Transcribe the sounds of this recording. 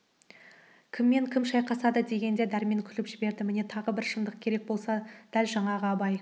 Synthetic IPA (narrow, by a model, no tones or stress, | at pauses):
kʲʰɪmːe̞ŋkʲʰɪmʃɑjqʰɑsɑd̪əd̪e̞ɡʲe̞nd̪e̞d̪æɾme̞ŋkʲʰʏlɪpʒɪbe̞ɾd̪ɪmɪne̞t̪ʰɑʁəbɪɾʃənd̪əq̚kʲʰe̞ɾe̞k̚bo̞lˠsɑd̪̥ælʒɑɴɑʁəɑbɑj